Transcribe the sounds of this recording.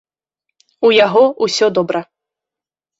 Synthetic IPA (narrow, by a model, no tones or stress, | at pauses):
ujaɣɔʔusʲɔd̪ɔbɾɐ